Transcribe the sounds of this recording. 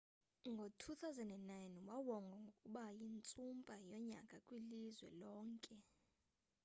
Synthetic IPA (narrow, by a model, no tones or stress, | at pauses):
ŋɡʱotʰuθawzɛndɛnnajnwawɔŋɡʱaŋɡʱokʼuɓajint͡sʼumpʼajɔɲa̰kʼakʼwilizwɛ̰lɔːŋkʼɛ